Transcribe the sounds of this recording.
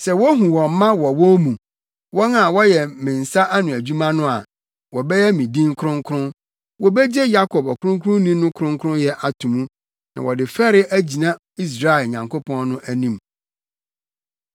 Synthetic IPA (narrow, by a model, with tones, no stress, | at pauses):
sɛ˨wɔ˦ɦũ˨wɔ̃˨m˦mã˦wɔ˨wɔ̃˦mũ˨ | wɔ̃˦na˨wɔ˦jɛ˨mɪ̃˨n̩˨sa˦ʔa˦nʊ̃˨æ˨d͡ʑu˦mã˦nʊ̃˦a̰˨ | wɔ˨bɛ˦jɛ˦mĩ˨dĩ˦ŋ˦kʰʊ˦ɾʊ̃˦ŋ˦kʰɾʊ̃˦n | wɔ˦bɛ˦d͡ʑe˦ja˦kʰɔ˨bɔ˨kʰʊ˦ɾʊ̃˦ŋkʰʊ˦ʊ̃˦nĩ˦nʊ̃˦kʰɾʊ̃˦ŋkʰʊ˦ʊ̃˦jɛ˦ʔa˨tʰũ˨mũ˦ | nã̰˨wɔ˨dɪ˨fɛ˦ɾɪ˦ʔæ˦d͡ʑi˨nã˦ | i˦s̬ɾa˦˨e˨ɲã˨ŋko˦pʰɔ̃˦nnʊ̃˦ʔæ˦nĩ˦m